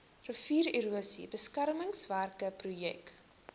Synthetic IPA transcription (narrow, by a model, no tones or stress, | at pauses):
rəfiːɾiɾuəsḭbəskærməŋsværkəprujɛ̰k